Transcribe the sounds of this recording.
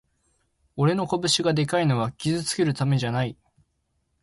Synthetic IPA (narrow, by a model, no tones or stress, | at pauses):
o̞ɾe̞no̞kobɯ̟ɕiɡad̪e̞kaino̞β̞akʲizɨt͡sɨ̥ke̞ɾɯ̟t̪ame̞ʑanai